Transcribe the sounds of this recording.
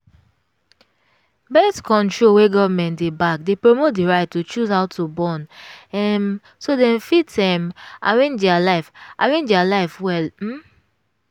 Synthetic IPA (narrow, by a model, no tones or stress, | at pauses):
bɛstkʰɔ̃ntɹolweɡɔvmɛ̃ntdebak̚depɹomot̚diɹaɪtːut͡ʃuzhaʊtʰubɔ̃nɛm | sodɛ̃fitɛ̃ma̰ɹẽnd͡ʒdɛalaɪfʔaɹẽnd͡ʒdɛalaɪfwɛlm̩